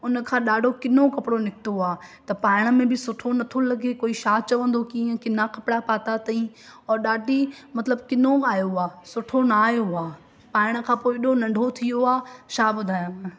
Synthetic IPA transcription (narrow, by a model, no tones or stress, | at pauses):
ʊnə̆kʰãːɗaːɖʱokɪnokɐpɽonɪkɪt̪oaːt̪ɐpaːɪɽ̃əmẽbʱɪsʊʈʰonɐt̪ʰolɐɡekoːiʃaːt͡ʃɐʋə̃nd̪okiːə̃kɪnakɐpɽapaːt̪at̪ɐĩ | ɔːɾɗaːɖʱimɐt̪ləbkɪnoaːjoaːsʊʈʰonaaːjoaː | paːɪɽ̃ə̆kʰãːpoːɪɗonɐ̃ɳɖʱot̪ʰijoaːʃaːbʊd̪ʱaːjã